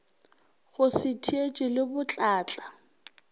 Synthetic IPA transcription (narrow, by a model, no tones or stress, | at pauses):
ɣʊsɪtʰiet͡ʃʼɪlɪbʊt͡ɬʼaːt͡ɬʼa